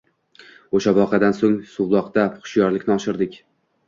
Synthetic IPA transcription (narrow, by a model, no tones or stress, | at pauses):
oʃabɒqʰɑd̪ansoŋsʊwlˠɒqt̪apχʃjɒɾlɪkʲnɪɒʃɪɾd̪ɪkʲ